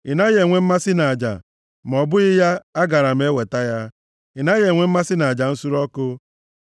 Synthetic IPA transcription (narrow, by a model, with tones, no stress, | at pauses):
ɪ˨na˦ɣe˨ŋʷe˦m̩˦ma˦sɪ˦na˨a˨d͡ʒa̰˨ | m˨ɔ˨bʊ˦ɣɪ˦ja˦a˦ɡa˨ɾa˨m̩˦e˦we˨ta˦ja˦ | ɪ˨na˦je˨ŋʷe˦m̩˦ma˦sɪ˦na˨d͡ʒa˨n̩˦su˦ɾɔ˦kʊ˦